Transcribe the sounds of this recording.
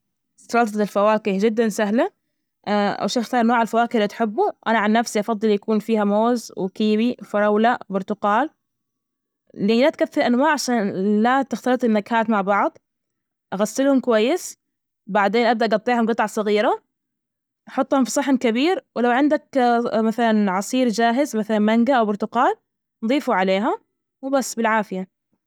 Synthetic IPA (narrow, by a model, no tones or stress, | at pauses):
sɑlɑlt̪ˤɑɪlfawaːkad͡ʒɪd̪ːansaɦla | ʔa̰wʃaxt̪ɑːɾˤʔanwoːʕalfawaːkɪɾlit̪ħɪbːuʔanaʕanːafsiʔɑfɑðˤːɨljakuːnfiːhamoːzwkiːbifɑɾˤɑwlabʊɾt̪ʊqɑːl | lilat̪kaθːɪlʔanwaːʕʕaʃaːnlat̪ɪxt̪alɨt̪ˤɪnːaɡhaːt̪maʕbɑʕðˤ | ʔaɣasːɪlhʊmkwajːɪs | baʕd̪eːnʔab̚d̪aʔɑɡɑt̪ˤːiːhʊmɡɨt̪ˤʕɑsˤɑɣiːɾa | ʔɑħʊt̪ˤːhʊmfi̥sˤɑħːɪnkabiːɾwɪlawʕɪnd̪akmaθalanʕɑsˤiːɾd͡ʒaːɦɪzmaθalanmaŋɡaʔawbʊɾt̪ʊqɑːl | nðˤiːfuʕaleːɦa | muːbasːbɪlʕaːfɪja